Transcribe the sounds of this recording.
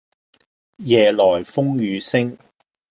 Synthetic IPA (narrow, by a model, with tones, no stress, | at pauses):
jɛː˨˩lɔː˨˩jfʊ˥ŋjyː˨˧sɪ˥ŋ